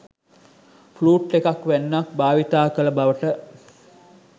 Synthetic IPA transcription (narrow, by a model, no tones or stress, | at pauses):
fluːʈːekakʋænːak̚baːʋit̪aːkələbaʋəʈə